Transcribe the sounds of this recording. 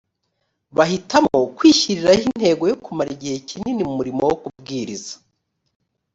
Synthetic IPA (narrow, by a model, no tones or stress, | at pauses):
βaɦitamo̞kwiːʃiɾiɾahinn̥he̞ːɡo̞jokumaɾiɟihe̞cininimumuɾimowokubɡiːɾizḁ